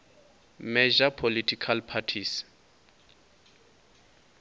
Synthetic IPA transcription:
mɛd͡ʒapʰolitʰikʰalpʰatʰis

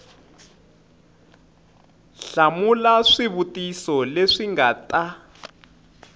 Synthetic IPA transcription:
ɬamulaʂiβutisɔleʂiŋata

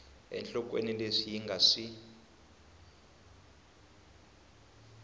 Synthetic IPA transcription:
ɛ̰nt͡ɬɔkwenileʂijiŋɡʱaʂi

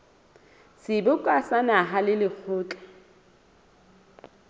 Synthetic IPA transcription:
sɪbʊkʼwasanaɦalɪlɪk͡xʰʊːt͡ɬʼḁ

